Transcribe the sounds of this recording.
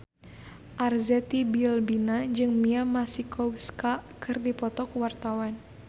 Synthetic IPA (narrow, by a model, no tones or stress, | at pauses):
ʔarzɛt̪ibilbinad͡ʒɨŋmiamasikɔwskakɨrdipɔt̪ɔkwart̪awan